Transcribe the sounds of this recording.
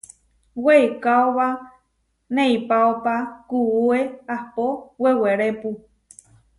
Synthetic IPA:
weekaoβa | nẽipaopakuueahpoweweɾepu

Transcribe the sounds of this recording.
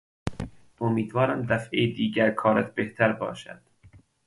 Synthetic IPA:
omiːd̪vɒːɾæmd̪æfʔejd̪iːɟæɾkʰɒːɾæt̪̚ʰbeht̪ʰæɾbɒ̰ːʃæ̰d̪̥

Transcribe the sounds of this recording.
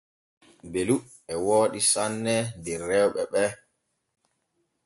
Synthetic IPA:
belu | ɛwoːɗisanːɛndɛɾɛwɓɛɓɛ

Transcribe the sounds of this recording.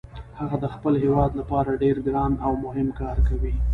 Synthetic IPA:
haɣad̪əxpəlɦewɑd̪lapɑɾaɖeɾɡɾɑnawmʊɦɪmkɑɾkawi

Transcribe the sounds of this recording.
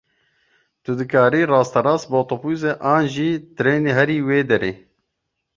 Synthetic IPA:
t̪ʊd̪ɨkaːɾiːrɑːst̪ɐɾɑːsboːt̪opuːzeʔaːnʒiːt̪ɨɾeːneɦɛɾiːweːd̪ɛɾeː

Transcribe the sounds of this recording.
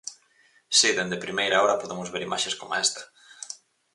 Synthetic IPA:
siðend̪epɾimejɾaoɾɐpoðemʊzβeɾimʔaʃeskoma̰est̪ɐ̥

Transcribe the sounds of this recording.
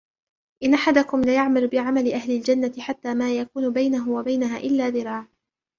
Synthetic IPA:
ʔɪnʔaħad̪akʊmlajaʕmalʊbɪʕamalɪʔahlɪld͡ʒanːat̪ɪħat̪ːaːmaːjakuːnʊbajnaɦʊwabajnaɦaːʔɪlːaːðɪɾɑːʕ

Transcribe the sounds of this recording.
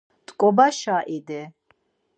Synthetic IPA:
t̪ʼkʼɔbaʃaʔid̪ɛ

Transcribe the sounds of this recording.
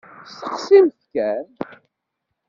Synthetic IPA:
st̪ə̥qsimθkæn

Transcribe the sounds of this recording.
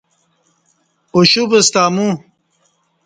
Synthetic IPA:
oɕubest̪aːmu

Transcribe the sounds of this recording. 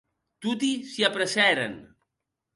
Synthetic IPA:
t̪ut̪isiapɾəsɛɾḛn

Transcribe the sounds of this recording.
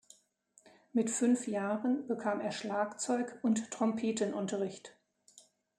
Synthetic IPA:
mɪtfʏnfjaːʁənbəkʰaːmeːɐʃlaːkt͡sɔʏkʊnttʁ̥ɔmpʰeːtənʔʊntɐʁɪçt

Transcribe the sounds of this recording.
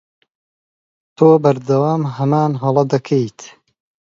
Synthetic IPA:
t̪ʰoːbɐɾd̪ɐwaːmɦɐmaːnɦɐlˠɐd̪ɐkʰejt̪

